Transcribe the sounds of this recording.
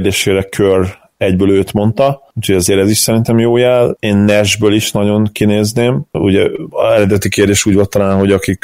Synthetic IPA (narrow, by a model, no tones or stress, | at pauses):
rd̪eːʃeːɾɛkʰør | ɛɟbøːløːt̪mo̞nt̪ɒ | uːcʰho̞ɟɒzeːɾɛziʃsɛɾint̪ɛmjoːjaːleːnːɛʒbøːliʃnɒɟo̞ŋkineːzneːmṵɟɛɛɾɛd̪ɛt̪ikeːrd̪eːʃuːɟvolt̪ɒlaːnɦo̞ɟɒkik